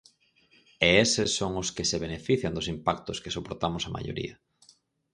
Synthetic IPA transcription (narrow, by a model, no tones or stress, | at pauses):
eesesːoŋʊskɪseβenefiθjɐnd̪ʊsimpak̚t̪ʊskesopoɾt̪amʊsama̰ʎo̰ɾḭɐ